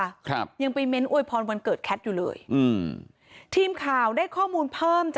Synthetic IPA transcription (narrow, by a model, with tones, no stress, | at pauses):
kʰɾa˦˥p̚ja˧ŋpa˧jme˦˥nʔu˧˩əjpʰɔː˧nwa˧nkɤː˨˩t̪̚kʰɛ˦˥t̪̚juː˨˩lɤ̰ː˧jʔɯː˧˩m | t̪ʰiː˧mkʰaː˨˩wdaː˥˩jkʰɔː˥˩muː˧npʰɤː˥˩mt͡ɕa˨˩